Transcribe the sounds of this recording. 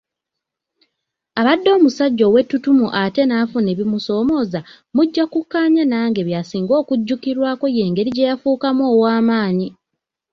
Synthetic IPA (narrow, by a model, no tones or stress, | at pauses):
aβadːo̞ːmusaɟːo̞we̞tːutumuʔate̞naːfune̞βimuso̞ːmo̞ːza | muɟːakukːaːɲanaːŋɡe̞βjasiːŋɡo̞ːkuɟːukiɾwaːko̞je̞ːŋɡe̞ɾiɟe̞jafuːkamoːwaːmaːɲi